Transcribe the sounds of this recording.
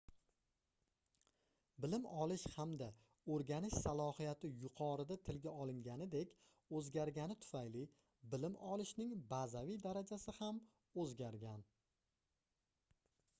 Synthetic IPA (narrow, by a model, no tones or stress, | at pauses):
bɪlɪmɒlˠɪʃhamd̪a | ɵɾɡʲanɪʃsalˠɒhijat̪ʰɪjʊqʰɒɾɪd̪at̪ʰɪlɡʲaɒlˠɪŋɡʲanɪd̪e̞kʲ | ɵzɡʲaɾɡʲanɪt̪ʰʊ̥fajlɪ | bɪlɪmʔɒlˠɪʃnɪŋbazavijd̪aɾad͡ʒasɪham | ɵzɡʲaɾɡʲan